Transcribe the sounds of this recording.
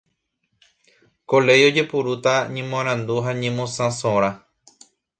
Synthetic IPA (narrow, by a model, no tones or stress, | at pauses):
kole̞jo̞d͡ʒe̞puɾut̪aɲẽmõãɾ̃ãnd̪uɦaɲẽmõsãsõɾ̃a